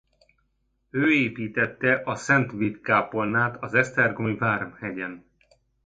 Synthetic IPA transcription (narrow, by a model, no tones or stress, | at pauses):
øːeːpiːt̪ɛt̪ːɛʔɒsɛnt̪ʋit̪kaːpo̞lnaːt̪ɒzɛst̪ɛrɡojvaːrmhɛɟɛn